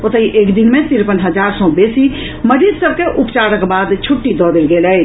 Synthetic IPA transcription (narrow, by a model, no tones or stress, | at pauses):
ot̪əiʔekd̪inmet̪iɾpənɦəd͡ʒaɾsɔ̃besi | məɾid͡ʒsəb̚keʔupt͡ʃaɾəkbad̪t͡ʃʰuʈːid̪ɔd̪elɡelɛ